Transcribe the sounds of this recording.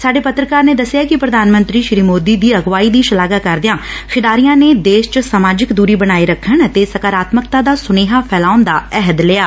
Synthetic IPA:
saːɖeːpət̪ɾəkaːɾneːd̪əsːjaːkɪpɾəd̪ʱaːnmə̃nt̪ɾiːʃɾiːmoːd̪iːd̪iːəɡʋaːiːd̪iːʃəlaːɡaːkəɾd̪ɪjãːkʰɪɖaːɾijãːneːd̪eːʃt͡ʃsaːmaːd͡ʒɪkd̪uːɾiːbənaːiɾəkʰːəɳt̪eːsəkaːɾaːt̪məkt̪aːd̪aːsʊneːɦaːpʰɛːlaːʊnd̪a̰ːɛɦəd̪leːaː

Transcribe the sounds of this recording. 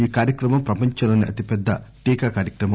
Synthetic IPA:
iːkaːɾjɐkɾɐmɐmpɾɐpɐɲt͡ʃɐloːniʔɐt̪ipɛd̪ːɐʈiːkaːkaːɾjɐkɾɐmɐ

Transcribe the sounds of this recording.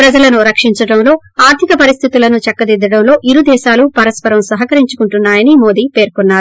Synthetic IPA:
pɾɐd͡ʒɐlɐnuɾɐkʂiɲt͡ʃɐɽɐmlo̞ː | aːɾt̪ʰikɐpɐɾist̪ʰit̪ulɐnut͡ʃɐkːɐd̪id̪ːɐɽɐmlo̞ːʔiɾud̪ɛːʃaːlupɐɾɐspɐɾɐmsɐɦɐkɐɾiɲt͡ʃu̥kuɳʈunːaːjɐnimo̞ːd̪iːpe̞ːɾkunːaːɾu

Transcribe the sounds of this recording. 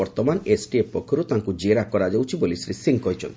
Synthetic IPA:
ɔɾt̪ɔmanesʈiepɔkʰːɔɾut̪aŋkud͡ʒeɾakɔɾad͡ʒawt͡ʃʰibolisɾisiŋkɔɦjt͡ʃʰɔ̰nt̪

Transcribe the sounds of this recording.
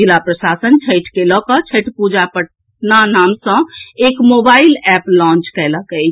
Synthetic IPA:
ilapɾəsasənt͡ʃʰəjʈʰkelɔkɔt͡ʃʰəʈpud͡ʒapəʈ | nanamsə̃ekmobailɛplɔ̃nt͡ʃkɛləkəjʰ

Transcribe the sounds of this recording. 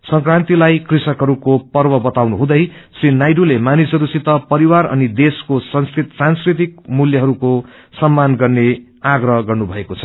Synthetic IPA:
sʌŋkrant̪ilajkrisʌkɦʌɾukopʌrbʌbʌt̪awnuɦũd̪ʌjsrinajɖulemanisɦʌɾusit̪ʌpʌɾiwarʌ̰nid̪eskosʌnskit̪sanskrit̪̬ik̚muljʌɦʌɾuko | sʌmːanɡʌrne | aɡrʌɡʌrnubʱʌekot͡sʰʌ̥

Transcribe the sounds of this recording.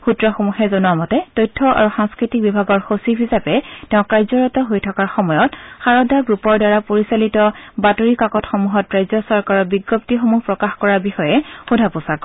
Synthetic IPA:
xutɹɔxomuxɛzɔnuamɔtɛtojtʰːɔʔa̰ɹuxaŋskɹitik̚bibʱaɡɔɹxosibʰʱizapɛtɛʊ̃kaɹzɔɹɔtɔɦojtʰɔkaɹxɔmɔjɔtxaɹɔdaɡɹupɔɹdaɹapoɹisalitɔbatoɹikakɔtxɔmuɦɔtɹajzɔsɔɹkaɹɔbiɡjɔp̚tixomuhpɹɔkaxkɔɹaɹbixɔjɛxudʱapɔsak

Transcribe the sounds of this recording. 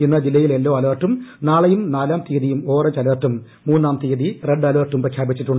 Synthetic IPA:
inːɐd͡ʑilːɐjile̞lːo̞ːɐleːrʈːumnaːɭɐjumnaːlaːmt̪iːɐðijumo̞ːret͡ɕɐleːrʈːumː | uːnːaːmt̪ijɐðireɳɖɐleːrʈːumprɐkʰjaːbit͡ɕːiʈːuɳɖ

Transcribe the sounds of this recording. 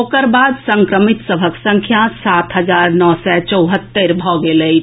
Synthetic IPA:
okəɾbaːd̪sə̃ŋkɾəmɪt̪səbʱəksə̃ŋkʰjasaːt̪ɦəzaːɾnɔːsɛt͡ʃəʊɦət̪ːeɾbʱɔɡeləi

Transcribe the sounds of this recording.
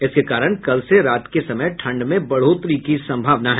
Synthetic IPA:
ɪskekaːɾəɽ̃kɐlseɾaːt̪kesɐməjʈʰɐ̃ɳɖmẽbɐɽ̤ot̪ɾikisɐ̃mbʱaːʋnaɦɛ

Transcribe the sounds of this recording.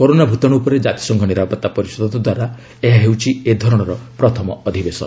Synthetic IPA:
koɾonabʱut̪ɔɽ̃uupɔɾed͡ʒat̪i̥sɔŋkʰɔniɾapɔt̪ːapɔɾisɔd̪ɔt̪ɔd̪waɾa | eɦaɦewt͡ʃʰied̪ʱɔɾɔɽ̃ɔɾɔpɾɔt̪ʰɔmɔːd̪ʱibesɔ̰n

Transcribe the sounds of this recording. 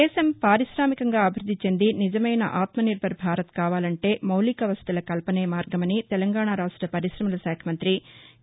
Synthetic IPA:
ɛːʃɐmpaːɾiʃɾaːmikɐŋɡaːɐbʱiɾud̪ːit͡ʃe̞nd̪inid͡ʒɐmɐjnɐ̰ʔaːt̪mɐniɾbʱɐɾbʱaːɾɐt̪kaːʋaːlɐɳʈe̞ːmɐwlikɐʋɐst̪ɐlɐkɐlpɐneːmaːɾɡɐmɐnit̪ɛlɐŋɡaːɳaɾaːʂʈɾɐpɐɾiʃɾɐmulɐsaːkʰɐmɐnt̪ɾi

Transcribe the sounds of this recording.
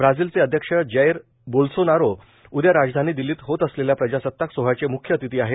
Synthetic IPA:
bɾad͡ziːlt͡seəd̪ʱjəkʂəd͡ʑəjɾ | bolsonaɾo | ud̪jaɾad͡zd̪ʱaniːd̪iliːt̪ɦot̪əsleljapɾəd͡ʑasət̪ːaksoɦat͡semukʰjət̪it̪iːaɦe

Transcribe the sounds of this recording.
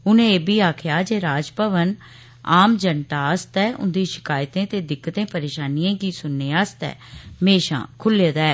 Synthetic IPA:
ʊnẽːeːbʱiːaːkʰjaːd͡ʒeːɾaːd͡ʒpəʋən | aːmd͡ʒəɳʈ̪aːəst̪ɛːʔʊ̰nd̪iːʃɪ̥kaːjt̪ẽːt̪eːd̪ɪkːət̪ẽːpəɾeːʃaːniːãːɡiːsʊnːeːaːst̪ɛ̰ːmeːʃã̰ːkʰʊleːd̪ɛː

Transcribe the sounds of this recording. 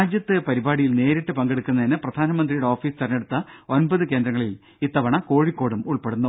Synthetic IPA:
aːd͡ʑjɐt̪ːɨpɐɾibaːɽijilne̞ːɾiʈːɨpɐŋɡeɽɨkːunːɐðinɨprɐd̪ʱaːnɐmɐnd̪rijuɽe̞o̞ːfiːsɨt̪ɐrɐneɽut̪ːɐo̞nbɐðɨke̞ːnd̪ɾɐŋːɐɭil | it̪ːɐʋɐɳɐko̞ːɻikːo̞ːɽumuɭpeɽunːɐ

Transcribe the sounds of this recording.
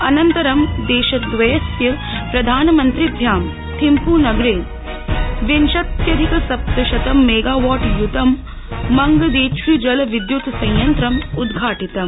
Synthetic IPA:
ɐnɐnt̪ɐɾɐmd̪eːʃɐd̪ʋɐjɐsjɐ | pɾɐd̪ʱaːnɐmɐnt̪ɾid̪ʱjaːm | t̪ʰimpuːnɐɡɾeːd͡ʒ | ʋenʃɐt̪jɐd̪ʱikɐsɐp̚t̪ɐʃɐt̪ɐmːeːɡaːʋaːʈjut̪ɐmː | ɐŋɡɐd̪eːt͡ʃʰʋid͡ʒɐlɐʋid̪jut̪sɐ̃jjɐnt̪ɾɐmud̪ɡʱaːʈit̪ɐm

